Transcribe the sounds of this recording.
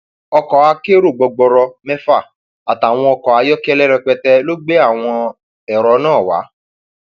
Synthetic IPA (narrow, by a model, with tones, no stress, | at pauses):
ɔ˧kɔ˨a˧ke˦ɾo˦˨ɡ͡bɔ˧ɡ͡bɔ˧ɾɔ˧mɛ̃˦fa˦˨ | a˨ta˨w̃ɔ̃˧ɔ˧kɔ˨a˨˧jɔ˦ki˦ɛ˧lɛ˦ɾɛ˧k͡pɛ˧tɛ˧lo˦ɡ͡be˦a˦˨w̃ɔ̃˧ | ɛ˨ɾɔ˧˦nãː˦˨wa̰˨˦